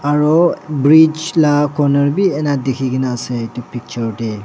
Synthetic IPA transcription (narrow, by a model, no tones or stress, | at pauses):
aɾɔbɾid͡ʒlakɔnəɾbienadekʰiɡinasetupik̚t͡ʃəɾde